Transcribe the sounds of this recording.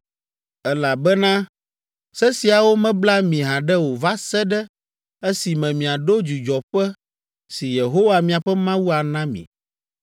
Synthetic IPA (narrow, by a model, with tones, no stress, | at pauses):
ɛ˦la˨bɛ˦nã˦ | sɛ˦si˨a˨wo˦mɛ̃˦bla˦mĩ˨ɦã˨ɖɛ˦wo˨va˦sɛ˦ɖɛ˦ | e˦si˨mɛ̃˨mĩ˨a˨ɖo˦d͡ʒu˨d͡ʒɔ˨ɸɛ˦ | si˨je˨ɦo˦wa˨mĩ˨a˨ɸɛ˦mã˦wu˦a˨nã˦mḭ̃˨